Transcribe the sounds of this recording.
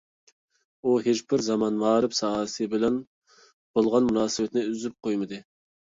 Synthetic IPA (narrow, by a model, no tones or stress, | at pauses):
uɦet͡ʃbɪɾzɑmɑnmɑːɾɨpsɑːsɨbɪlɛn | b̥olˠʁɑnmunɑːsɨbɛt̪ɪnɪyzyp̚qʰojmɨd̪ɨ